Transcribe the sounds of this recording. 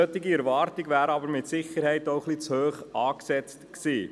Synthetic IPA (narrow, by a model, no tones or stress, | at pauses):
œtɪɡiɛɾvɑːrtiɡʋæːɾəɑbəɾmɪtsɪχəɾhɛɪtoʊχlit͡shøːχɑːksɛt͡stksiː